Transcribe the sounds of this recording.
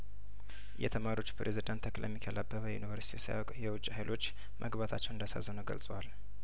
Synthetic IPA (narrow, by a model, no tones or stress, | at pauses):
jɛ̰t̪ʰəmaɾio̞t͡ʃːu̥pɾʔezid̪ant̪ʰːəklə̰mːikʰəlabːəβəjɛ̰jṵnivəɾsit̪ʰiwsiaɔkʼjɛwʊt͡ʃʼːhajlʔo̞t͡ʃː | mʔəɡbat̪ʰat͡ʃːɛwɨnd̪asa̰zːənəwɡə̰lsʼəwal